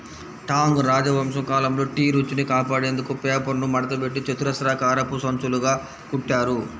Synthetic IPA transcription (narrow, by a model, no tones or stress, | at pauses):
ʈaːŋɡɾaːd͡ʒɐʋɐms̬ɐŋkaːlɐmlo̞ːʈiːɾut͡ʃːinikaːpaːɽeːnd̪ukupeːpɐɾnumɐɽɐt̪ɐbe̞ʈːit͡ʃɐt̪uɾɐsɾaːkaːɾɐpːusɐnt͡ʃuluɡaː | kuʈːaːɾu